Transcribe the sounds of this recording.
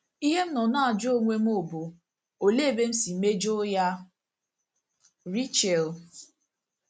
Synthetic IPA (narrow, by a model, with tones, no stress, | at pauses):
i˦ɦe˦m̩˦nɔ˨na˦a˨d͡ʒo˦˨ŋʷe˦m̩˦o˦˨bo˨ | o˨le˦˨be˦m̩˦si˨me˦d͡ʒo˦ja˦ | ɾi˦t͡ʃe˨l